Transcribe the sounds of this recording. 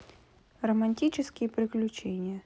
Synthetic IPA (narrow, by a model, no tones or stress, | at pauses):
rɐmanʲtʲit͡ʃɪskʲɪjɛpɾɪklʲut͡ʃɛnʲɪjɐ